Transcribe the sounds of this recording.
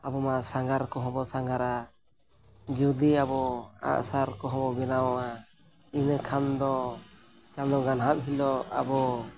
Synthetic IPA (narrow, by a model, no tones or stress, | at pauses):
abɔmasaŋɡaɾkɔɦɔ̃bɔsaŋɡaɾa | d͡ʒuud̪iabɔa̰ʔsaɾkɔɦɔ̃bɔbɛnawa | inəkʰand̪ɔ | t͡ʃand̪ɔɡanɦap̚ɦilɔa̰bɔ